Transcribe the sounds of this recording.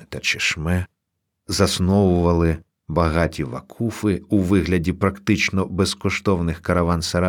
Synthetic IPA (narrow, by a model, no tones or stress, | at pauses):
t̪ɐt͡ʃɪʃmɛ | zɐsnɔwʊʋɐlˠɪ | bɐɦɑtʲiʋɐ̰kʰufɪuʋɪɦlʲɐdʲipɾɐkt̪ɪt͡ʃnɔbeskɔʃt̪ɔwnɪxkɐɾɐʋɑnsɐɾɑ